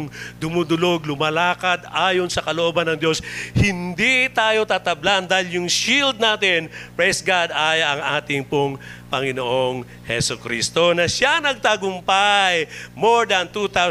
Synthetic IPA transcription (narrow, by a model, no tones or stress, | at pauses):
ŋd̪ʊmud̪ʊlo̞ɡlʊmɐlaːkɐd̪aːjonsɐkɐloʔoːbɐnːɐŋd̪jo̞shɪnd̪it̪aːjo̞t̪aːt̪ɐbland̪aːhɪljʊŋʃild̪̚naːt̪ɪnpɹɛjsɡad̪ʔaːjɐʔɐŋʔaːt̪ɪŋpoŋpɐŋɪnoʔoŋ | hɛsʊkɾiːst̪o̞nɐʃanɐɡ̚t̪aɡʊmpajmoɹd̪ɐnt̪ut̪aw